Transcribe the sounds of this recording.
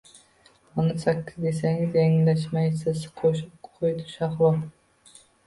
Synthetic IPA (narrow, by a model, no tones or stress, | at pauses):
ɑnɨsɛkʲʰːɪzd̪esɛŋzeŋlɛʃ̬mɑjsɪsqʰoʃupqʰojd̪ʰu̥ʃɑχlˠɑ